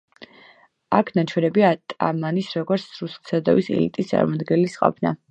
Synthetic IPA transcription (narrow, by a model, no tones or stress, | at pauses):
akʰnat͡ʃʰwɛnɛbiat̪ʼa̰manisɾɔɡɔɾt̪sʰɾussad̪ɔ̰visɛ̰lit̪ʼist̪sʼa̰ɾmad̪ɡɛnlisqʼɔ̰pʰna̰